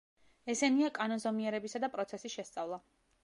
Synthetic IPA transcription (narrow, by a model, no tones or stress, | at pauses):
ɛsɛniakʼanɔnzɔmiɛɾɛbisad̪apʼɾɔt̪sʰɛsiʃɛst̪sʼavlˠa